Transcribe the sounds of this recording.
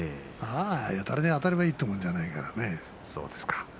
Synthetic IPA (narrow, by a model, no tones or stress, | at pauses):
e | aːjat̪aɾed̪eat̪aɾeβaiːt̪ːomõnd͡ʑanaika̰ɾane | so̰ːd̪esɨ̥kḁ